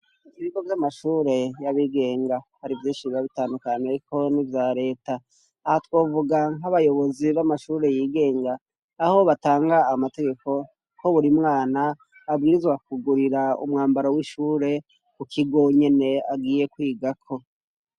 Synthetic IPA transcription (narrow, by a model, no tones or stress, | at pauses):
iβiɡo̞vjamaʃuːɾe̞jaβiɡe̞ːŋɡahaɾivjĩːnʃiβiaβitaːndukaneko̞nivjaːɾe̞ːtaː | hatwo̞ːvuɡaŋɦaβajo̞βo̞ziβamaʃuːɾe̞jiːɡe̞ːŋɡaː | ho̞βataːŋɡaːmate̞ɡe̞ko̞ | ko̞βuɾimŋaːnaː | bɡiːɾizɡwakuɡuɾiɾaṵmŋaːmbaɾawiʃuːɾe̞ | kukʰiɡo̞ɲe̞ne̞aɡiːje̞kwiːɡakʰo̞